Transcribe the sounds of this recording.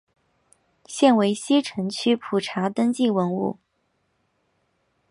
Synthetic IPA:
ɕjɛ˥˩nwe˧˥ɪɕi˥ʈ͡ʂʰə˧˥ŋt͡ɕʰy˥pʰu˨˩ʈ͡ʂʰa˧˥t̪ə˥ŋt͡ɕi˥˩wə˧˥nṵ˥˩

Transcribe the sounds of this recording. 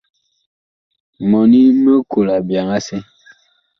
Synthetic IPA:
mɔ˨ni˦mə˦kʰo˨la˨bja˨ŋa˦se˦

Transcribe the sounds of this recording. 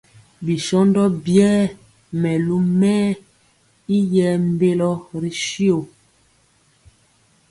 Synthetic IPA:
bi˨ʃɔ˦ndɔ˦bjɛː˦ | mɛ˨lu˦mɛː˦ | i˦jɛ˦m˦be˦lɔ˦ɾi˨ʃi˦o˨

